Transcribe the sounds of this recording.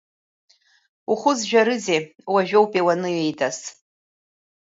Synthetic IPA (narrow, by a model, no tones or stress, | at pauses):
uχʷʊzʒᶣaɾɨzewaʒᶣowpʼewanɨjejdʰʼas